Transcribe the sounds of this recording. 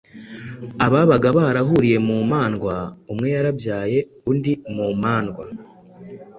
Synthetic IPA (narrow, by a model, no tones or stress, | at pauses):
aβaβaɡaβahaɾaɦuɾije̞muːmaːnɡwaumŋe̞jaɾabjaːje̞ | undimuːmaːnɡwa